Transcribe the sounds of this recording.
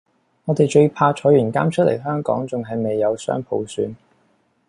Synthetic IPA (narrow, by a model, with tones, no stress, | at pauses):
ŋɔː˨˧t̪e˨jt͡ʃɵ˧ɥpʰaː˧t͡ʃʰɔː˨˥jɥyː˨˩nkaː˥mt͡ʃʰɵ˥t̚lʔe˨˩jɦœː˥ŋkɔ̰ː˨˥ŋt͡sʊ˨ŋɦɐ˨jme˨jːɐ˨˧wsœ̰ː˥ŋpʰo˨˧wsyː˨˧n